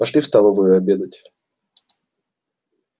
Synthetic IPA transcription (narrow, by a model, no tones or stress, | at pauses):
ɐʂlʲifst̪alˠəvəjʊɐbʲed̪ətʲ